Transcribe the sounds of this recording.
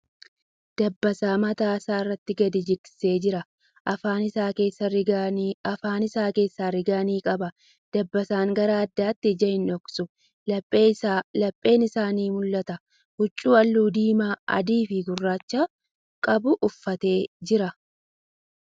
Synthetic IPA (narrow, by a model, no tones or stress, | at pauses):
d̪̥ɐbːɐsaːmɐt̪aːɐsaːɪrːɐt̪ːɪɡɐd̪ɪd͡ʒɪksɪ̥se̞ːd͡ʒɪɾɐ | ʔɐfaːnɪsaːkeːsːɐ | ɐfaːnɪsaːke̞ːsːaːɾɪɡaːniːkʼɐbɐ | d̪̥ɐbːɐsaːŋɡɐɾɐɐd̪ːaːt̪ːɪd͡ʒɐhɪnɔksʊ | lɐpʼelɐpʼːe̞ːnɪsaːniːmʊlːɐt̪ɐ | hʊt͡ʃʼːuːɐlːuːd̪iːmaːɐ̰d̪iːfɪɡʊrːaːt͡ʃːa | kʼɐbʊʔʊfːɐt̪e̞ːd͡ʒɪɾɐ